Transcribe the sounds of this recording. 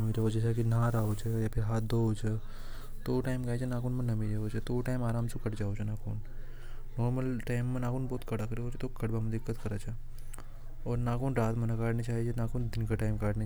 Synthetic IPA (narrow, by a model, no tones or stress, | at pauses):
miɾɐɦod͡ʒet͡ʃʰakinaɾaːot͡ʃʰejapʰɪɾɦaːt̪̚d̪oot͡ʃʰe | t̪oʈaːɪmkaːt͡ʃʰenaːkoːnmɐ̃nɐmid͡ʒɐɦot͡ʃʰet̪oʈaːɪmaːɾaːmsʊkəʈd͡ʒaːot͡ʃʰenaːkʰoːn | nɔːɾməlʈaːɪmːẽnaːkoːnbɔːt̪kɐɽakɐɾeɦoːd͡ʒʰet̪okɐɽbamd̪ɪkːət̪kɐɾat͡ʃʰa | ɔːɾnaːkoːnɾaːt̪mɐnakaːɖnet͡ʃaːɦid͡ʒʰenaːkoːnd̪ɪnkaʈaːɪmkaːɽne